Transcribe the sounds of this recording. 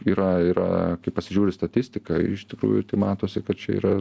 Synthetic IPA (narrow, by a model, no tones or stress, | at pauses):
iːɾɐiːɾɐ̰kɐɪpɐsʲɪʒʲuːɾʲɪst̪ɐt̪ʲɪsʲt̪ʲɪkɐɪʃt̪ʲɪkɾṵːjʊt̪ɐɪmɑːt̪oːsʲɪkɐt̪̚t͡ʃʲɛḭːɾɐ